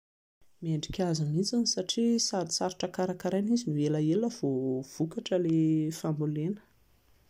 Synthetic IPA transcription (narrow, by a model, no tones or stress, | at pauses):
mieɳɖ͡ʐikʲazanit͡sanisaʈ͡ʂisaɾisaɾiʈ͡ʂəkaɾakaɾajnizinueləeləv̥ov̥ukaʈ͡ʂəlefambulenə̥